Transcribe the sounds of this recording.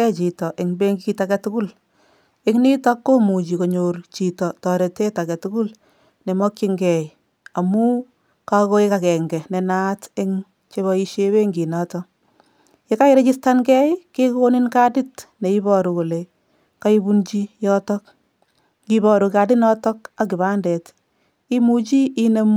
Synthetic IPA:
ɛt͡ʃi˨tɔ˨ʔɪ˨ŋbe˦ŋɡiki˧takɛ˧tuku˦l | ɪŋni˦takːo˦mu˨t͡ʃi˨ko˨ɲort͡ʃi˨tɔ˨tɔ˨ɾe˨te˦takɛ˨tuku˦l | ne˨mɔ˦ki˦ŋɡɛ˨ | a˨mu˦ | kako˦eka˨kɛ˨ŋɡɛ˨nɛ˨natɪ˦ŋ | t͡ʃe˦βɔi˦ʃeβe˦ŋɡi˨natɔ | jeka˦iɾe˦t͡ʃi˦stankɛjkeko˦ni˦nka˦di˦tne˨ibɔ˨ɾu˨ko˨le˨ | ka˦i˦bunt͡ʃi˦jɔtɔk̚ | kibɔ˨ɾu˧ka˨dɪ˦nɔtɔ˦ka˨k̬ɪ˨ba˦ndɛt | i˦mut͡ʃi˦ine˦m

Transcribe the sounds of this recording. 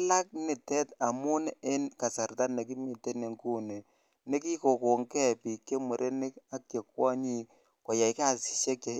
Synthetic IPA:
la˦k̚nɪ˨tɛ˦ta˨mu˦ne˦nka˨sa˨rta˦ne˨k̬i˦mi˨te˦ne˨ŋku˦ne˨ | ne˦ki˦ko˨ko˨ŋkɛ˦pi˨kːe˦mu˨ɾʔe˦ni˦ka˦kje˨kwɔ˦ɲi˦ | kɔ˨ja˨i˦ka˦˨si̥˨ʃe˦k̚e˨

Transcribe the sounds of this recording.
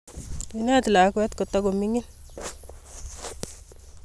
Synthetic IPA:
ina˦t̪la˨˦kwɛ˦t̪ko˨tɔkomi˦ŋi˦n

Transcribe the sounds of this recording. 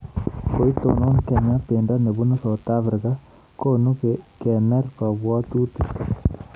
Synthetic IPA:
ko˦i˦to̰˨no˦ŋke˨ɲa˦pe˨nda˦ne˨βu˦no˦sa˨t̪a˦fɾɪ˨ka˦ | ko˦nu˦kkɛ˨mɛ˦rpa˨βwɔ˦t̪u˦t̪i

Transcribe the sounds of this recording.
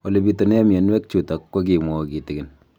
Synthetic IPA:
o˨le˨bi˨to˨ne˦m˨e˨nwɛ˦k̚t͡ʃu˨ta˨wo˦k̬i˨mɔ˨ki˨tɪ˨kɪ˨n

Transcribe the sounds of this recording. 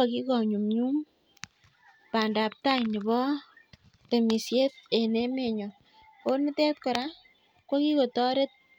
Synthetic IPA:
a˨ki˦kɔ˨ɲu˨mɲu˦m | pa˨nda˨p̚ta˦jɲi˨bɔ˦ | te˨mi˨sje˦t̚e˨ne˦me˨ɲɔ˨ | ko˦nmɪ˦tɛ˦t̚kɔ˨ɾa˦ | kwo˦ki˦ko˨tɔ˦ɾe˦t̚

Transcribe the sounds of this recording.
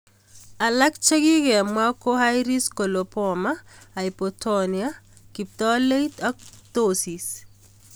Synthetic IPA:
a˨la˦kt͡ʃe˦ɡi˦kɛ˨mwa˦ko˦ɦa˦jɾi˦sko˨lo˨pɔmaː˦˨ipotʰonia˦ | ki˨p̚tɔ˦le˦itɔ˦k̚tosi˨s

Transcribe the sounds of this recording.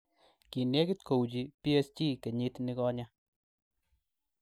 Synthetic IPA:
ki˨ne˦kɪ˦t̚ko˨wt͡ʃi˨pi˦e˧st͡ʃiː˦ke˨ɲi˦tni˦kɔ˦˧ɲa˦

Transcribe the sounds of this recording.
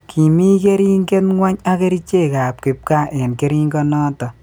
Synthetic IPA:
kʰi˨mi˦ke˦ɾi˦ŋɡe˦tŋwa˦ɲa˦ke˦ɾi˦t͡ʃe˦˨ka˨p̚kɪ˨p̚ka˦ʔe˨nke˦ɾi˦ŋɡɔ˦nɔ˦tɔ˨

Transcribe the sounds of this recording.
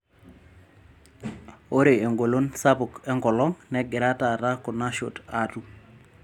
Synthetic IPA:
o˦ɾe˨e˨ŋɡo˨lo˦nsa˦bʊ˨kɛ˦ŋɡɔ˨lɔ˦ŋnɛ˦ɡɪ˨ɾa˦ta˨ta˦kʊ˨na˦ʃo̰˨ta˨tu˦

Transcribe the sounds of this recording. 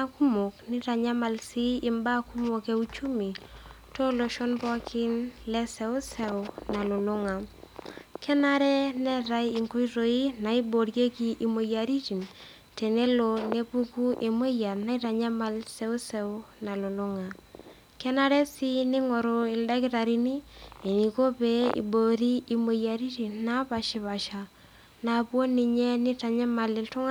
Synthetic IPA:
a˦ku˦mo˨knɪ˦ɾa˨ɲa˦ma˨lsi˦ɪ˨mba˦ku˦mo˨ke˦u˦t͡ʃu˦mi˨ | to˦lo˨ʃɔ˦nbɔ˦kʰɪ˦nlɛ˦sɛ˦ʊ˦sɛ˨˦ʊna˨lʊ˨lʊ˦ŋa˨ | kʰɛ˦na˦ɾɛ˦nɛ˦ɾa˦jɪ˨ŋku˦i˦ɾo˨i˦na˨i˦bo˨ɾje˦ki˨ʔi˨mo˨ja˨ɾi˦t͡ʃi˨n | te˨ne˦lo˨ne˦pu˦ku˦ʔe˨mo˦ja˨na˦i˦ta˨ɲa˦ma˦lse˦u˦se˦u˦na˨lo˨lu˦ŋa˨ | kɛ˦na˦ɾe˦si˦ni˦ŋo˨ɾo˨i˨lda˦ki˦ɾa˨ɾi˦ni˦e˨ni˨ko˦pe˦ḭ˨bo˨ɾi˦i˨mo˨ja˨ɾi˦ti˨nːa˦pa˨ʃi˨βa˨ʃa˨ | na˨pwo˦ni˨ɲe˦ni˦ta˨ɲa˦ma˨li˨ltu˦ŋa˦

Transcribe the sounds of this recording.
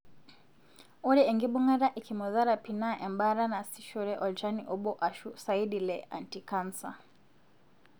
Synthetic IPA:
ɔ˦ɾɛ˦ɛ˨ŋɡi˦ɓu˦ŋa˦ɾa˦ʔi˨kimɔ˨za˦ɾa˨pina˦ʔɛ˨mba˦ɾa˦na˨si˦ʃɔ˦ɾɛ˦ʔɔ˨ld͡ʒani˨ʔɔ˦ɓɔ˦ʔa˨ʃusa˨i˦di˨lɛa̰˨ntika˦nsa̰˨

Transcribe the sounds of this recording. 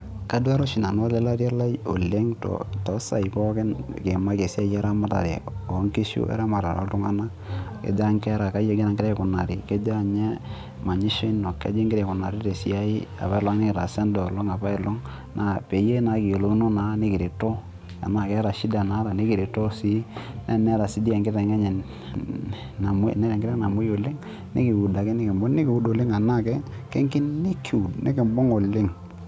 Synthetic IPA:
ka˨˦dwa˦ɾo˦ʃi˨na˨no˦lɛ˦la˦ɾja˦la˦i˦o̰˨le˦ŋtɔ̰˨tɔ˦sa̰˨i˨pɔ˦kɛ˦nke˨ma˦ke˨si˦a˦jɛ˦ɾa˦ma˦ta̰˨ɾɛ̰˨o˨˦ŋki˦ʃṵ˦ʔɛ̰˦ɾa˦ma˨ɾa̰˨ɾɔ̰˦tʊ˦ŋa˦na˦ | kḛ˨da˦ŋkɛ˦ɾa˨ka˦je˨ɡi˦na˨ŋɡɪ˦ɾɛ˦kʊ˨na˨ɾi˨ke˦da˨ɲɛ˦ | ma˨ɲi˦ʃe˦nɔ˨kḛ˦d͡ʒi˦ŋɡɪ˦ɾɛ˨kʊ˨na˨ɾi˦te˨si˦a˦ɪ˦a̰˨ba˦ɪ˦la˦ŋnɪ˦ɪ˨ɾa˨sɛ˦ndɔ˨lo˦ŋa˨ba˦ɪ˨lɔ˦ŋ | nʔa˨pe˨je˦na˨˦ki˨o˨lo˨˦no˦na˨˦nɪ˦kɪ˨ɾe˨to˦ | a̰˨na˦˨kɛ˨˦ɾa˨ʃi˦da˨na˨˦ɾa˨ne˦kɪ˨ɾi˨to˦si˦nɛ˦nɛ˦ɾa˨si˨˦di˦ɛ˨ŋɡɪ˦ɾɛ˨ŋɛ˦ɲɛ˨ | na˨m˦nɛ˦ɾɛ˨ŋɡɪɾɛ˦na˨mu˦jo˨lɪ˦ŋ | nɪ̰˦ki˨u˨da˨kɛ˦nɪ˦kɪ˨mbɔ˦nɪ˦kɪ˨u˦do˨lɪ˦ŋa˨na˦˨kɛ˦kɛ˦ŋkɪ˦nɪ˦kʰi˨u˨dnɪ̰˦kɪ˨mbɔ˦ŋo˨lɪ˦ŋ

